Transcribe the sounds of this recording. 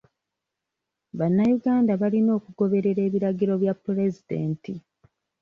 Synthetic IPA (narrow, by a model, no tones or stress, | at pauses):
βanːajuɡaːndaβalino̞ːkuɡo̞βe̞ɾe̞ɾe̞ːβiɾaɡiɾo̞βjapːɾe̞zide̞̰ːnti